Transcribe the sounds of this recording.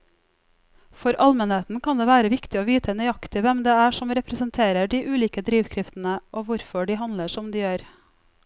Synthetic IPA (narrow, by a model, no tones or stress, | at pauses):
fɔɾʔɑlmənheːt̪n̩kʰɑnd̪eːʋæːɾəʋɪkt̪ɪoːʋiːt̪ʰənœʏɑkt̪ɪʋɛmd̪eːæːʂɔmɾɛpɾəsənt̪ʰeːɾəɖiːʔʉːliːkəd̪ɾiːʋkʰɾɪft̪n̩əʔoːʋʊɾfɔɖiːhɑnləʂɔmd̪iːjøːɾ